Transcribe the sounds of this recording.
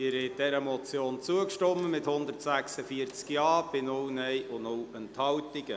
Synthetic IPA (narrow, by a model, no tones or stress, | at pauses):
ɪɾhɛɪt̚d̥ɛɾəmɔt͡sjoːnt͡suəkʃtɔmːəmɪthʊnd̪ərtsæksəfiəɾt͡skjɑːb̥ɪnʊwnɛjʔʊnʊwənthɑwtɪɡ̥ə